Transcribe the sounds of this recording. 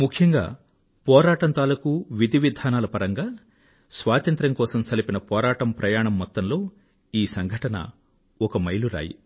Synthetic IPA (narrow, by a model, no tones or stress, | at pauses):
mukʰjɐŋɡa̰ː | pɔːɾaːʈɐnt̪aːlɐkuʋid̪ʱiʋid̪ʱaːnaːlɐpɐɾɐŋɡaː | sʋaːt̪ɐnt̪ɾɐŋkɔːsɐmsɐlɐpinɐpɔːɾaːʈɐmpɾʔɐjaːɳɐmːɔt̪ːɐmlo̞ː | iːsɐŋɡʱɐʈɐnɐ̰ | ɔkɐmɐjluɾa̰ːjḭ